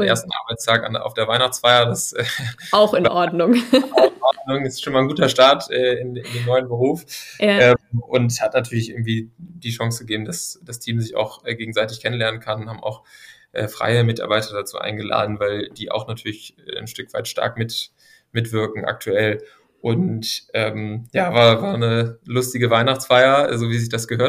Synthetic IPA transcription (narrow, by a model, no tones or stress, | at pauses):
ʔḛːɐstn̩ʔa̰ːɐbaɪt͡stʰaːka̰na̰ʊfd̥eːɐvaɪnaχt͡sfaɪɐdasʔɛːaʊxɪnʔɔɐdnʊŋaʊxnʔɔdnʊŋɪstʃoːnmaɪnɡuːtɐʃtaɐtʔɛːɪnɪndeːmnɔʏənbəʁ̞uːfʔɛːʔʊnthatnatʰyːɐlɪçʔɪ̰ɐɡŋ̩tv̥iːd̥iːʃɑŋsɡəɡeːbm̩dasd̥astʰiːmzɪça̰ʊxʔɛːɡeːɡŋ̩zaɪtɪçkʰɛnənlɛɐnənkʰannhaːbmʔa̰ʊxʔɛ̰ːfʁ̥a̰ɪəmɪtʔa̰ɐbaɪtʰɐdat͡sṵːʔa̰ɪnɡəla̰ːdn̩vaɪld̥iːʔa̰ʊxnatʰyːɐlɪçɛnʃtʏkv̥aɪtʃta̰ɐkmɪt | mɪtv̥ɪɐkŋ̩ʔa̰k̚tʰuɛl | ʔʊntʔɛːmjaːvaːɐvaːɐnəlʊstɪɡəvaɪnaχt͡sfaɪɐzoːviːzɪçd̥asɡ̥əɦøːɐ